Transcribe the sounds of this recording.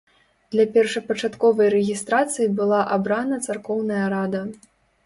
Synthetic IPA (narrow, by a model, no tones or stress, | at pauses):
d̪lʲɐpʲɛrʂɐpɐt͡ʂat̪kɔvɐjɾɛɣʲist̪ɾat̪sɨjibɨlˠaʔabɾanɐt̪sarkɔwnɐjɐɾad̪ɐ